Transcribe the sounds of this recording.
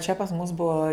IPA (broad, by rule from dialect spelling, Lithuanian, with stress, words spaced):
t͡ʃʲɛ pɐs mʊs ˈbuɔ